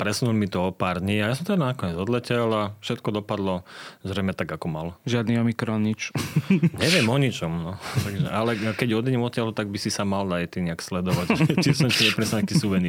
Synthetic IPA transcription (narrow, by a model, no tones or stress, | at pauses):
pɾɛsnulmit̪ɔɔpaːɾd̪ɲiːajas̬ɔmt̪ad̪anakɔɲɛd͡zɔd̪lɛcɛlafʃɛt̪kɔd̪ɔpad̪lɔzɾɛjmɛt̪aɡakɔmalʒɪad̪niɔmikɾɔnit͡ʃ | ɲɛʋɪɛmɔɲit͡ʃɔmnɔaʒɛʔalɛkɛɟɔd̪iɲɛmɔt̪ːjaɦut̪aɡ̚bisisamald̪ajt̪iɲɛakslɛd̪ɔʋacʒɛt͡ʃisɔmsiɲɛpɾɛsnaakisuʋɛni